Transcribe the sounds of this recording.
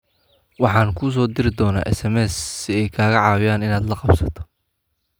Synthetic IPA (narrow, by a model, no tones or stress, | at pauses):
wɑħɑːnkʰʊːs̬ɔːd̪ɪɾɪd̪ɔːna̰ːʔɛsɛmɛːssɪɛjkʰaːɣɐʕɑːwɪjaːnɪnaːd̪lɐqɑbsɐt̪ʰɔ̥